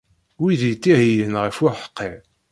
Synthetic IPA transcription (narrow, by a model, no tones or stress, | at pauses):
wiðjt̪ːihijənʁəfʊɾħə̥qːi